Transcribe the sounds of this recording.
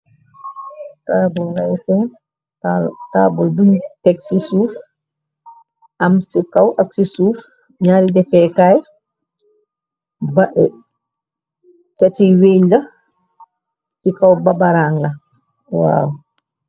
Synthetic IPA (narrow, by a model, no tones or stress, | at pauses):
tabɔllajsɛn | ataːbɔlduntɛksisuːf | ʔamsikawʔɐksisuːf | ɲaːlidɛfɛkaːj | baʔɛ | t͡ʃatiwenlɐ | sikawbabaɾaːŋlɐ | wa̰ːw